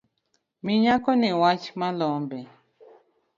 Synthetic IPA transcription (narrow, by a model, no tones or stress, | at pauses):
miɲakɔniwat͡ʃmalɔmbɛ